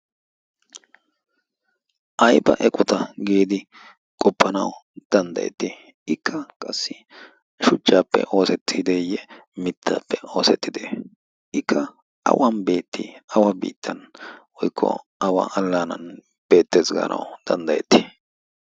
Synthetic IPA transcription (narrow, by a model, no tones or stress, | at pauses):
ʔɐjbɐ̰ʔɛkʼɔt̪ɐɡeːd̪ɪ | kʼɔpːɐnɐ̰wd̪̥ɐnd̪ɐ̰jɛ̰t̪ːɪ | ɪkʰːɐkʼɐsːɪ | ʃʊt͡ʃːaːpːɛ̰ʔo̞ːsɛt̪ʰːɪd̪ejɛmɪt̪ʰːa̰pːɛo̞ːsɛt̪ːɪd̪eː | ʔɪkʰːɐ | ɐ̰wɐnbe̞ːt̪ʰːḭɐwɐbḭːt̪ʰːɐnwɔjkʰːɔ̰ | ɐwa̰ʔɐlːaːnɐ̰n | b̥e̞ːt̪ːeːzɡɐ̰ːnʔɐ̰wd̪̥ɐnd̪ɐjɛt̪ːɪ̥